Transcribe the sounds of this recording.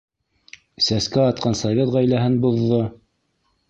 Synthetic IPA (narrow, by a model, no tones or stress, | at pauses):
sæskæɑt̪̚qɑnsɐvʲet̪ʁæjlæɦɘnbŏðːo